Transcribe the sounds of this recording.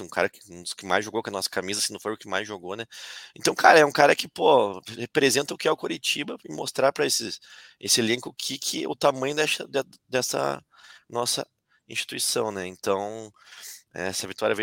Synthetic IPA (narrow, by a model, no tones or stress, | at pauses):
ũkʰa̰ɾɐkɪ̥ũʊskɪma̰jzʒoɡowkɐnɔsɐ̥kamizɐsɪnɐ̃w̃fojʊkɪma̰jzʒoɡonɛẽnt̪ɐ̃w̃kʰaɾɐɛũkaɾɐkɪpohepɾezẽnt̪ɐʊkɪɛʊkoɾit͡ʃibɐɪmost̪ɾaɾpɾɐesɪ | esɪelẽŋkʊkʰikʰɪ̰ʊt̪amɐ̃j̃ʊd̪ɛʃɐd̪ɛd̪ɛsɐ̰ | nɔsɐ̰ | ĩst͡ʃi̥t̪uisɐ̃w̃nɛẽnt̪ɐ̃w̃ | ɛ̰ɛsɐvit̪uaɾjɐvẽ